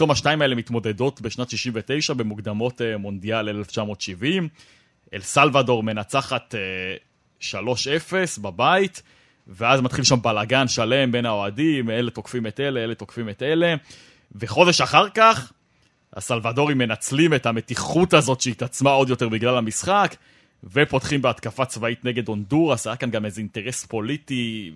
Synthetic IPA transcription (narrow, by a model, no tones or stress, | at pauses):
tomaʃnaimae̞lemitmo̞de̞do̞tbe̞ʃnatʃiʃimvete̞jʃabe̞muɡd̪amo̞temo̞nd̪iale̞left͡ʃamo̞ːtʃivim | ʔḛlsalvado̞ʁme̞nat͡saχat̪e | ʃalo̞ʃe̞fe̞sbabait | veazmat̪χilʃambalaɡanʃale̞mbe̞nao̞adimele̞to̞kfimete̞leele̞t̪o̞kfimet̪ele̞ | ve̞χo̞de̞ʃaχaʁkaχ | ha̰salvado̞ʁimːe̞nat͡slimethame̞tiχutazo̞tʃeit̪at͡smao̞d̪jo̞te̞ʁbiɡlalamisχak | ve̞po̞tχimbeat̪kafat͡svait̪neɡe̞d̪o̞nduʁasajakanɡame̞zeinte̞ʁe̞spo̞liti